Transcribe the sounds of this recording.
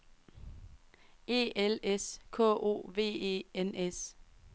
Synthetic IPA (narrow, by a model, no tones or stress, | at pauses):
e̝̰ːeleskʰɔ̰ːʔo̝̰ːʋe̝̰ːḛːenes